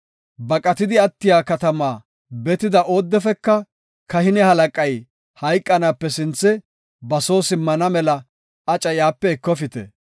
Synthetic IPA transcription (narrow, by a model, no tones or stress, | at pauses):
bɐkʼɐt̪ɪd̪ɪɐt̪ːɪjaːkɐt̪ɐmaː | bɛt̪ɪd̪ɐʔo̞ːd̪ːɛfɛkːɐ | kɐhɪnɛhɐlɐkʼɐj | hɐjkʼːɐnapːɛsɪnt͡sːɛ | bɐso̞ːsɪmːɐnɐmɛlɐ | ɐt͡ʃʼɐjaːpːɛɛkːɔfɪt̪ɛ̰